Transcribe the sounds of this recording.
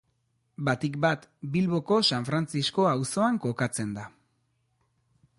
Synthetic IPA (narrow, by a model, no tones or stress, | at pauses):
bat̪ik̚bat̪bilβo̞ko̞saɱfɾant͡sisko̞awso̞aŋko̞kat͡se̞nd̪a